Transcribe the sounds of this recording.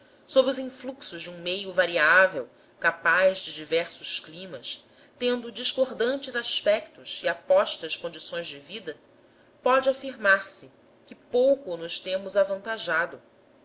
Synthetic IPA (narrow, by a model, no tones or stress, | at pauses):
sobɾɪʊzĩfluksʊʒd͡ʒɪũmejʊvaɾiavew | kapajzd͡ʒɪd͡ʒivɛɾsʊʃklĩmɐs | t̪ẽnd̪ʊd͡ʒiʃkoɾd̪ɐ̃nt͡ʃɪzaʃpɛk̚t̪ʊʃiapɔʃt̪ɐskõnd͡ʒisõj̃zd͡ʒɪvid̪ɐ | pɔd͡ʒɪafiɾmaɾsɪ | kɪpowkʊnʊʃt̪ẽmʊzavɐ̃nt̪aʒad̪ʊ